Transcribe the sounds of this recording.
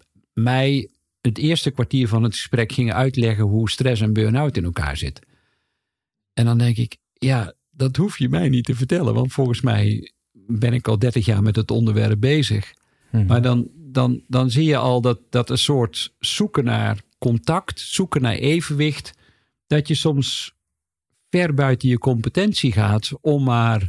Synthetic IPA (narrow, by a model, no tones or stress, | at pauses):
mɛj | ətɪəstəkʋaɹtiːɹvɔnətxə̥sprɛkxɪŋəœɥtlɛɣəɦustrɛs̬ɛnbøːnaɥtɪnəlˠka̰ːɹz̥ɪ̰t | ɛndɔndɛŋkɪk | ja | d̥ɔthufjəmɛjnitəvərtɛlˠə̰nʋɑ̰ntfɔlˠɣənsmɛ̰j | bɪnɪkɔlˠdɛrtəxja̰ːɹmɛtətɔ̰ndəɹʋɛ̰rəp̚beːzə̰x | madɔndɔndɔnzijəʔɔlˠdɔtd̥ɔtənsoːrtsukəna̰rkɔntɑktsukəna̰ɹʔeːvəʋɪxt | d̥ɔtjəsɔms | fɛrbœɥtənjəkɔmpətɛnsiɣaːtɔmːar